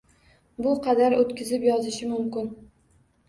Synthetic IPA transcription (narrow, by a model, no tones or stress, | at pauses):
bʊqʰɑd̪aɾot̪kʲɪzɪpjɒzɪʃɪmʊmkʲɪn